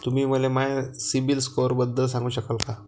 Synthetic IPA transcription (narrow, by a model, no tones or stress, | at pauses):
t̪um̤iːməlemajsibilskoɾbəd̪ːəls̬ãŋɡuːɕəkəlka